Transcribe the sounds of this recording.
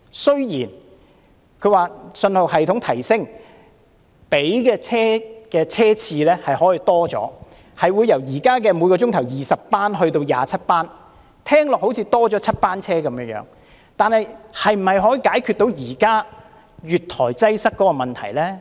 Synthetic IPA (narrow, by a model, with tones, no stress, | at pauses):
sɵ˥ɥjiː˨˩n | kʰɵ˨˧ɥwaː˨sɵ˧nhʊ˨k̚hɐ˨jt̪ʰʊ˨˥ŋt̪ʰɐ˨˩jsɪ˥ŋ | pe˨˥jkɛː˧t͡sʰɛː˥kɛː˧t͡sʰɛː˥t͡sʰiː˧lɛː˥hɐ˨jhɔː˨˥jiː˧t̪ɔː˥t͡ʃɔ̰ː˨˥ | hɐ˨jwuː˨˧jɐ˨˩wjiː˨˩kaː˥kɛː˧mu˨˧kɔː˧t͡sʊ˥ŋt̪ʰɐ˨˩wjiː˨˩sɐ˨ppːaː˥nɦɵ˧ɥt̪o˧wja̰ː˨t͡sʰɐ˥t̚paː˥n | t̪ʰɛː˥ŋlɔː˨k̚ho˨˥wt͡sʰiː˨˧t̪ɔː˥t͡sɔː˨˥t͡sʰɐ˥t̚paː˥nt͡sʰɛː˥kɐ˨˦mjœː˧ŋjœ̰ː˨˥ŋ | t̪aː˨nhɐ˨jhɐ˨jm̩˨˩hɐ˨jɦɔː˨˥ji˧kaː˨˥jkʰy˨˧t̪o˨˥wjiː˨˩kaː˥ | ɥyː˨t̚t̪ʰɔː˨˩jt͡sɐ˥jsɐ˥k̚ːɔː˨˦˥kɔː˧mɐ˨nt̪ʰɐ˨˩jlɛː˥